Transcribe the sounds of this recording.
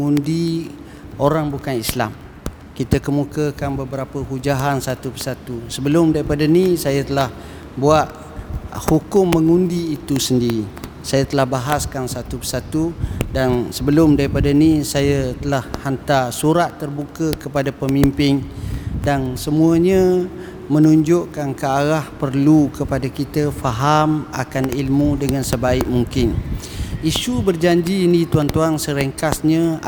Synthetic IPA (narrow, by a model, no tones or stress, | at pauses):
əŋundi | oɾaŋbukanisla̰m | kit̪əkəmukəkanbəbəɾapəɦud͡ʒaɦansat̪upəsat̪usəbəlʊmdaɾipadanisajat̪əlah | buaʔ̪ | hukʊmːəŋundiːt̪usəndiɾi | sajat̪əlahbaɦaskansat̪upəsat̪udansəbəlʊmdaɾipadanisajat̪əlahhant̪asuɾat̪ːərbukəkəpadapəmimpɪŋdansəmuəɲə̃ | mənuɲd͡ʒʊʔkankəaɾahpərlukəpadakit̪əfaɦama̰kanilmũdəŋãnsəbaɪʔ̚muŋkɪn | isubərd͡ʒaɲd͡ʒiːnit̪uaŋt̪uaŋsəɾəŋkasɲə̃